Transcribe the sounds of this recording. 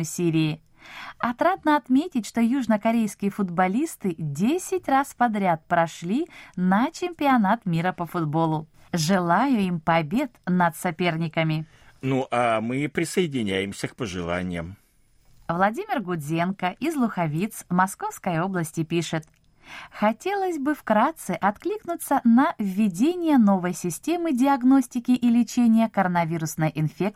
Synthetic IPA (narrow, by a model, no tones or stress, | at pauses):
sʲiɾʲɪɪ | ɐt̪ɾad̪nəɐt̪mʲetʲɪtʲʂt̪ojuʐnəkɐɾʲejskʲɪjəfʊd̪bɐlʲist̪ɨdʲesʲɪtʲraspɐd̪ɾʲat̪̚pɾɐʂlʲinɐt͡ɕɪmʲpʲɪɐnat̪mʲiɾəpəfʊd̪bo̞lˠʊʐɨlˠajʊimpɐbʲe̞t̪nɐt̪sɐpʲe̞rnʲɪkəmʲɪ | nuʔamɨpɾʲɪsəɪdʲɪnʲæjɪmsʲəkpəʐɨ̰lˠa̰nʲɪ̰jəm | vlˠɐdʲimʲɪrɡʊd̪zʲe̞nkəʔɪzlˠʊxɐvʲit̪smɐsko̞fskəjo̞blˠəsʲtʲɪpʲiʂɨt̪ | xɐtʲe̞lˠəsʲbɨfkɾat̪sɨʔɐt̪klʲiknʊt̪sənɐvʲːɪdʲenʲɪjəno̞vəjsʲɪsʲtʲe̞mɨdʲɪɐɡno̞sʲtʲɪkʲɪʔilʲɪt͡ɕenʲɪjəkəɾənɐvʲiɾʊsnəjʔɪnfʲek̚